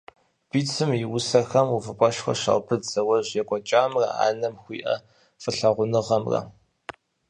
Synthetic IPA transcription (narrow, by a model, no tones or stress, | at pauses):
b̥iːt͡sʰɨmiwʊsɐxɐmufɨpʷʼɔʃxɐ̰ɕa̰ːwpʰɨdz̥ɐwɐʑjɛkʷʼɔt͡ʃʼaːmrɐ̰a̰ːnɐmxʷiːʔɐ̰ | fɨɬɐʁʷʊnɨʁɐmrɐ̰